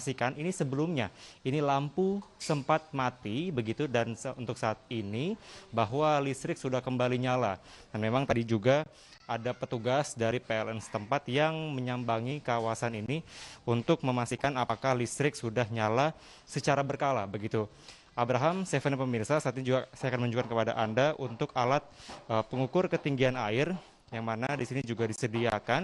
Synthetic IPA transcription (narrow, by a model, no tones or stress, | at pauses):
sikaninisəbəlumɲainilampusəmpat̪̚mat̪ibəɡit̪udansunt̪ʊk̚saːt̪̚inibaɦwalist̪ɾɪksudahkəmbaliɲala | danmemaŋt̪adid͡ʒuɡa | adapət̪uɡasdaɾipeɛlʔɛnsə̥t̪əmpat̪jaŋməɲambaŋikawasaniniunt̪ʊk̚məmast̪ikanapakahlist̪ɾɪksudahɲala | sət͡ʃaɾabərkalabəɡit̪u | ʔabɾaɦamst̪efənpəmirsasaat̪̚ɲad͡ʒuɡasajakanməuɲd͡ʒukankəpada̰ʔandaʔunt̪ʊkalat̪̚əpəŋukʊrkət̪iŋɡianaɪr | jaŋmanadisinid͡ʒuɡadisədiakan